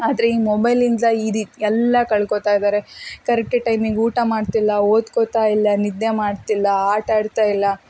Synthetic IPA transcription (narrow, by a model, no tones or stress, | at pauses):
aːd̪ɾeiːmɔbɐjlind̪ɐid̪iɛlːɐkɐɭkot̪aːjd̪aːɾekɐɾɛk̚ʈɐʈɐjmiɡuːʈamaːɖt̪ilːɐoːd̪kot̪aːilːɐnid̪ːemaːɽt̪ilːɐaːɾʈaːɽt̪aːjilːɐ